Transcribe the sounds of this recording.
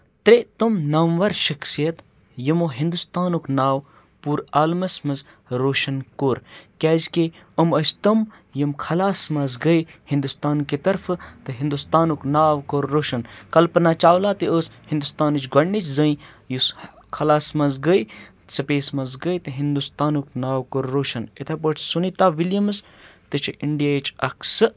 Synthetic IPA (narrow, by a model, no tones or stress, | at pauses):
t̪ɾet̪umnɐmʋɐɾʃɐksijɐt̪ | jimoːɦĩnd̪ust̪aːnuknaːw | puːɾaːlmɐsmɐz | ɾoːʃɐnkoːɾkʲaːzʲke | ɐməsʲt̪ɐm | jɐmkʰɐlaːsmɐzɡəjhĩnd̪ust̪aːnket̪ɐɾfʰt̪ɨɦĩnd̪ust̪aːnuknaːwkoːɾːoːʃɐnkɐlpɐnaːt͡ʃaːwlaːt̪ɨəːshĩnd̪ust̪aːnɨt͡ʃɡɐɳːit͡ʃzəĩ | jus | kʰɐlaːsmɐzɡəj | sɐpeːsmɐzɡəjt̪ɨɦind̪ust̪aːnuknaːwkoɾːoːʃɐnet̪ʰap̬əʈsunit̪aːʋiljɐmɨst̪ɨt͡ʃʰiʔiɳɖijajit͡ʃɐ̰kʰsɨ